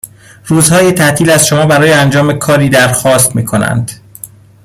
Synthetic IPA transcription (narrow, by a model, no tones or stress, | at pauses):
ruːzhɒːjet̪ʰæʔt̪ʰiːlæz̥ʃomɒːbæɾɒːjeænd͡ʒɒːme̞kʰɒːɾiːd̪æɾxɒːst̪miːkʰo̞næ̰nd̪̥